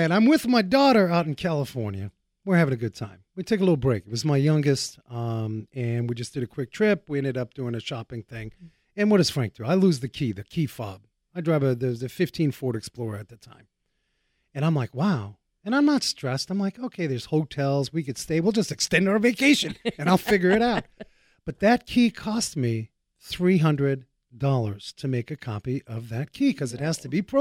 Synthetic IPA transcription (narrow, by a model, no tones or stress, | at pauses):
ɨ̃ɾãɪ̃mwɪðmaɪdɔɾə˞aʊɾn̩kʰælˠəfɔɹnjɨ̰ | wɨɹhævɪ̃ŋɨɡʊd̚tʰã̰ɪ̃mwitʰeɪk̬əlɪɾl̩ˠbɹeɪkɨt̚wʌzmaɪjʌ̃ŋɡɨstʌ̃mɨ̃nwid͡ʒʌsd̥ɨɾɨkʰw̥ɪk̚tʰɹ̥ɪp̚wiɛ̃ndɨɾʌp̚d̥ʉɪ̃ŋɨʃɑpɪ̃ŋθɪ̃ŋ | ɨ̃nwʌɾɨz̥fɹæ̃ŋk̚tʰʉaɪlʉzðɨkʰiðɨkʰifɑ̰b̥̚ | aɪdɹaɪvɨðəzɨfɪftʰĩnfɔɹɾɨksplɔɹə˞ɨt̪̚ðɨtʰã̰ɪ̃m | ɨ̃ɾ̃ãɪ̃mlaɪkwaʊ | ɨ̃ñãɪ̃mnətstɹ̥ɛstãɪ̃mlaɪkoʊkʰeɪðə˞z̥hoʊtʰɛlˠzwikɨd̥steɪwilˠd͡ʒʌstɨkstɛ̃ndaʊə˞veɪkʰeɪʃɨ̃nɨ̃naɪlˠfɪɡjə˞ɨɾaʊt̚ | b̥ʌt̪̚ðɨt̚kʰikʰɔst̚mi | θɹiɦʌ̃ndɹɨd̚ | dɔlˠə˞z̥tʰɨmeɪkɨkʰɑ̰piʔʌvðɨt̚kʰikʰʌzɨt̚hæz̥tʰɨbipʰɹ̥o